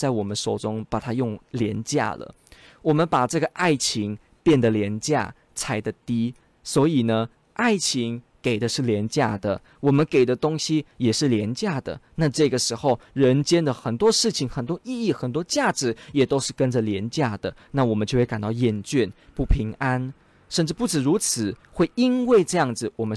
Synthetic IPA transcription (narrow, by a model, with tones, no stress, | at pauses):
t͡sa˥˩ɪwɔ˨˩mə˦nʂo˨˩ʊʈ͡ʂʊ˥ŋpa˨˩t̪ʰa˥jʊ˥˩ŋljɛ˧˥nt͡ɕja̰˥˩lə̰˩ | wɔ˨˩mə˦npa˨˩ʈ͡ʂɤ˥˩ɡə˩ʔa˥˩ɪt͡ɕʰi˧˥ŋ | pjɛ˥˩nd̪ə˩ljɛ˧˥nt͡ɕja̰˥˩ | t͡sʰa˧˥ɪd̪ə˨t̪i˥ | swɔ˧˥i˨˩nə˦ | ʔa˥˩ɪt͡ɕʰi˧˥ŋke˨˩ɪd̪ə˦ʂɻ̩˥˩ljɛ˧˥nt͡ɕja˥˩d̪ə˩ | wɔ˨˩mə˦nke˨˩ɪd̪ə˦t̪ʊ˥ŋɕi˥jɛ˨˩ʂɻ̩˥˩ljɛ˧˥nt͡ɕja˥˩d̪ə̰˩na˥˧ʈ͡ʂɤ˥˩ɡə˩ʂɻ̩˧˥xo˥˧ʊɻə˧˥nt͡ɕjɛ˥nd̪ə˨xə˨˩nt̪wɔ˥ʂɻ̩˥˩t͡ɕʰi˨˩ŋxə˨˩nt̪wɔ˥ʔi˥˧i˥˩xə˨˩nt̪wɔ˥t͡ɕja˥˩ʈ͡ʂɻ̩˧˥jɛ˨˩t̪o˥ʊʂɻ̩˥˩kə˥˦nʈ͡ʂə˨˩ljɛ˧˥nt͡ɕja˥˩d̪ə˩na˥˩wɔ˨˩mə˦nt͡ɕjo˥˧xwe˥˩ka˨˩nt̪ɑ˥˩ʊjɛ˥˩nt͡ɕɥɛ˥˩npu˥˩pʰi˧˥ŋa˥n | ʂə˥˧nʈ͡ʂɻ̩˥˧pu˥˩ʈ͡ʂɻ̩˨˩ɻu˧˥t͡sʰɹ̩˨˩˦xwe˥˩ɪi˦˥nwe˥˩ɪʈ͡ʂɤ˥˧jɑ˥˩ŋd͡zɹ̩˨˩wɔ˨˩mə˦n